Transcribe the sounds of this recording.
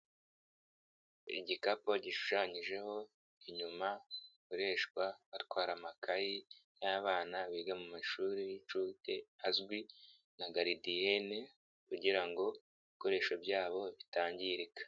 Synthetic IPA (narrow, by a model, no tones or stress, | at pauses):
ḭɟikapo̞ɟiʃu̥ʃaɲiʒe̞ho̞ | iɲumakoɾe̞ːʃkwaβatwaːɾamakʰajijaːβaːnaβiːɡamumaʃuɾijit͡ʃuːteazɡwi | naɡaɾidiene | kuɟiɾaŋɡo̞ | iko̞ɾe̞ːʃobjaːβo̞βitaːɲɟiɾikḁ